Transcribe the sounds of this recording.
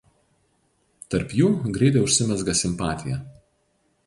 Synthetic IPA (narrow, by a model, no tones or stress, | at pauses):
t̪ɐɾpjuːɡɾʲɛɪt̪̬ʲɛɪʊʃʲsʲɪmʲɛzɡɐsʲɪmpɑːt̪ʲɪjɛ